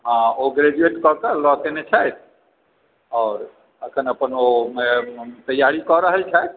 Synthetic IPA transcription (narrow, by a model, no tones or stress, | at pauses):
ɦãoɡɾed͡ʒueʈkɔkəlɔt̪enet͡ʃʰajt̪ʰ | ɔːɾ | əkʰənəpənomet̪əjaɾikɔɾəɦəlt͡ʃʰajt̪̚ʰ